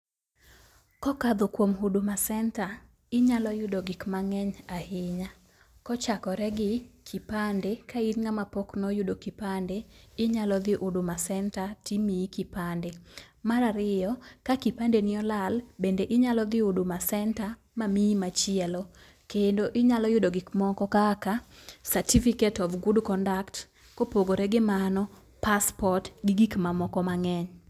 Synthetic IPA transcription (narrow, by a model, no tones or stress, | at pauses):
kɔkad̪okwomɦudomasɛnta | ɪɲalɔjʊdoɡɪkmaŋɛɲahɪɲa | kɔt͡ʃakɔɾɛɡɪkʰipandekʰainŋamapoknojʊdokipandeɪɲalɔd̪ɪʔudomasɛntatimikipandemaɾaɾɪjɔkakipandenɪɔlalbendeʔɪɲalɔd̪ɪudomasɛnta | mamimat͡ʃɪɛlɔ | kendoʔɪɲalɔjʊdoɡɪkmɔkɔkakasatifiketɔvɡudkɔndakt | kopoɡoɾɛɡɪmanɔ | paspɔtɡɪɡikmamɔkɔmaŋɛɲ